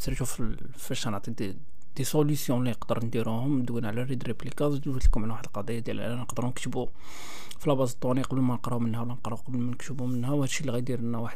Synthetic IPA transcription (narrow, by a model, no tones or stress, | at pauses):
siɾʃuf | fəʃːɑnaʕt̪ˤid̪ | d̪̥isolysjɔ̃liəqd̪əɾˤnd̪iɾuhʊmd̪winʕlæɾid̪ɾeplikɑzd̪wit̪kʊmʕənwaħəd̪lqɑd̪ijːad̪jæ̰lʔæ̰nːænəqd̪əɾunəkt̪bu | filɑbɑzˤət̪ˤːuniqɑbəlmænəqɾˤɑumənhæwlænəqɾˤɑuqɑbəlmænəkt̪bumənhæwhæd̪ʃilɣæjd̪iɾənːæwaħəd̪̚